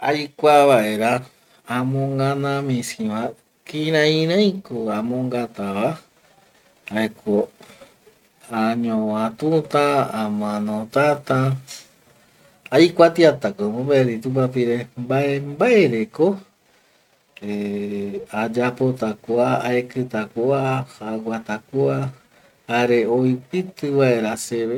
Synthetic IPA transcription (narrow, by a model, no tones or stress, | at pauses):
ajkʷaβaʔeɾaː | mõŋɡãnãmĩsĩβã | kiɾãĩɾãĩkoamõŋɡat̪aβa | aekʰo | aɲõwãt̪ũt̪ãamãnõt̪at̪ã | ajkʷat̪iat̪akomombaeɾit̪upapiɾembaembaeɾeko | e | ad͡ʒapot̪akoaaekɨt̪akoaʔaɡʷat̪akua | haɾeoipɨt̪ɨβaeɾaseβe